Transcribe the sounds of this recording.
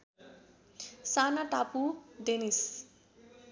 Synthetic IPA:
sanaʈapud̪enis

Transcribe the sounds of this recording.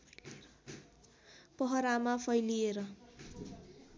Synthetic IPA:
pʌɦʌɾamapʰʌjlieɾʌ

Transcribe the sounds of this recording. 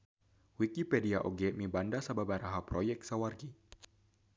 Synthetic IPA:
wikipɛdiaʔoɡɛmibandasababaɾaɦaprojɛk̚sawarɡi

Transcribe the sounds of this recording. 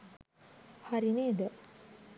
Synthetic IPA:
haɾineːd̪ə

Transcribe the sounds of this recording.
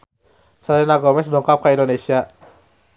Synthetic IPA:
sadenaɡɔmɛs̬dɔŋkʰap̚kʰaʔindonesia

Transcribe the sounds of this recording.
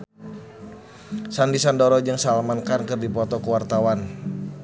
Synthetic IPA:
sanbisandɔɾɔd͡ʒɨŋsalamankankɨrdipɔt̪ɔkəwart̪awan

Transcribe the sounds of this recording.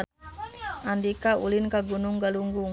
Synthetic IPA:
andikaṵlinkaɡunuŋɡaluŋɡuŋ

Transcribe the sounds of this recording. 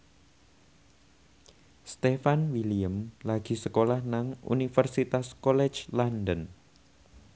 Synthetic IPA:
st̪efanwiliəmlaɡ̥i̤səkolahnaŋṵnifərsit̪askɔlɛ̥d͡ʒlandən

